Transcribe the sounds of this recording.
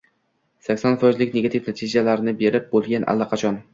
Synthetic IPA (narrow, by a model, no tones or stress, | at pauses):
sakʲsɒnfɒɪzlɪkʲneɡat̪ʰifnat̪ʰid͡ʒalaɾnɪbe̞ɾɪp̚bolˠɡʲanʔa̰lːaqʰɑt͡ʃʰɒn